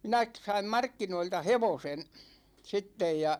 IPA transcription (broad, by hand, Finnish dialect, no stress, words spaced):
minæ k sɑim mɑrkːinoiltɑ heʋosen sitːej jɑ